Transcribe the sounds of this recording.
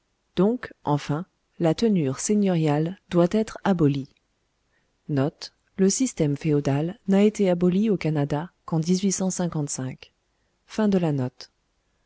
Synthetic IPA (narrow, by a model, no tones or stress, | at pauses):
d̪̥ɔ̃kʔɑ̃fɛ̃ | lat̪ənyʁseɲɔʁjald̪wat̪ɛt̪χabɔli | nɔt̪ | ləsist̪ɛmfeod̪alnaet̪eabɔliokanad̪akɑ̃d̪izɥisɑ̃sɛ̃kɑ̃t̪sɛ̃k | fɛ̃d̪əlanɔt̪